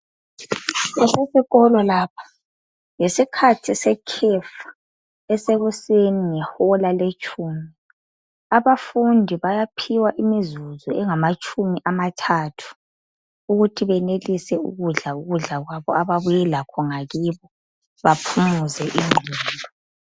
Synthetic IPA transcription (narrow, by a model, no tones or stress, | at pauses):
ɛsesiɣɔlɔlaːpʰḁ | jesikʰatʰisɛkʰɛfḁ | ɛseɣuseniŋɛhɔlalet͡ʃʼuːmi | aβafundʱiβajapʰiwaʔimizuzɔɛŋamat͡ʃʼʰumiʔamatʰaːtʰu̥ | uɣutʰiβɛnelisɛṵɣuɮauɣuɮaɣwaβɔaβaβujɛlakʰɔŋaɣiβɔ | βapʰumuzɛʔiŋ͡ǃʱiiːndʱɔ